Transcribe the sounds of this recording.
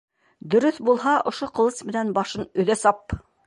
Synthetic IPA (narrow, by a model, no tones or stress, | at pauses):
d̪ɵ̆ɾɵθbulˠɦɑʔŏʃoqŏlˠɤsmɘ̆nænbɑʃɤnɵ̆ðæsɑp